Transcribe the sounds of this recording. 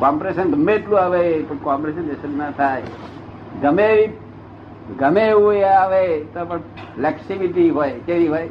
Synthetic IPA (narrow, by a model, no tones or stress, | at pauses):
kɔmpɾeʃənɡəmːeːʈlũaʋepəɳkampɾeʃənd͡ʒesənət̪ʰaj | ɡəmeʋi | ɡəmeũaʋet̪opəɳ | flɛksiʋiʈiɦojkeʋiɦoj